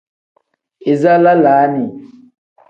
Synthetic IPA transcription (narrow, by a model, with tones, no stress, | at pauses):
e˨za˦la˦laː˨˦ni˨